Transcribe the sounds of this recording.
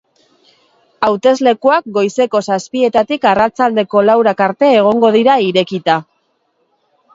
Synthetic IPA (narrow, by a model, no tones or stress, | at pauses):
awt̪e̞zle̞kuak̚ɡo̞jse̞ko̞saspie̞t̪at̪ikarat͡sald̪e̞ko̞lawɾakaɾt̪e̞ːɣ̞o̞ŋɡo̞ðiɾaiɾe̞kit̪a